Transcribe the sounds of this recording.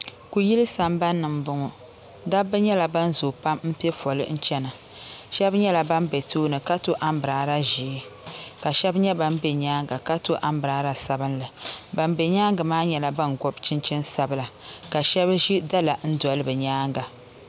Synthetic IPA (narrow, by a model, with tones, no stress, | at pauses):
ku˨ji˦lɨ˦sa˨mba˦nːɨ˨m˨bʊ˦ŋɔ˨ | da˦bɨ˦ɲɛ˦la˨ba˦n˦zo˨pa˦mm̩˦pɛ˦fɔ˨lɨ̰˦n̩˦t͡ʃɛ˦nɨ˨ | ʃɛ˦bɲɛ˦la˨ba˦mbɛ˨toː˦nɨ˨ka˦to˦ʔa˦mbɨ˨ɾaː˨ɾa˦ʒi˨˦ka˨ʃɛ˦bɲɛ˦ba˦m˦bɛ˨ɲaː˦ŋɡa˨ka˦to˦ʔa˦mbɾa˨˦ɾa˨sa˦bɨ˦nlɨ˨ba˨m˦bɛ˨ɲaː˦ŋɡɨ˨maː˦ɲɛ˦la˨ba˦nɡɔ˦bt͡ʃɪ˦nt͡ʃɪ˦nsa˦bɨ˦la˨ka˨ʃɛ˦bʒi˦da˦la˨n̩˦dɔ˨lɨ˦bɨ˨ɲaː˦ŋɡa˨